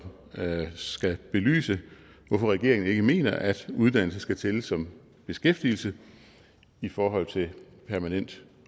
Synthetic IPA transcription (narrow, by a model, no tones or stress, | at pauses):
sɡ̥æb̥e̝ly̰ːsə | ʋɒfɒʁɛɡ̥e̝ɐeŋn̩e̝ɡ̥əme̝̰ːnɐʔæd̥uð̞ˠd̥æn̰l̩səsɡ̥æt͡sʰeləsɒ̽m | b̥e̝sɡ̥efd̥il̩sə | ifɒːɦɒ̽l̰t͡sʰe̝ | pʰæɐmænen̰d̥